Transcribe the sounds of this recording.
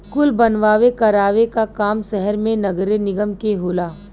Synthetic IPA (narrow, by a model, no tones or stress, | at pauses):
kʊlbɐnʋaːʋekɐɾaːʋekakaːmʃɛɦɛɾmẽnɐɡɾenɪɡəmkeɦoːlaː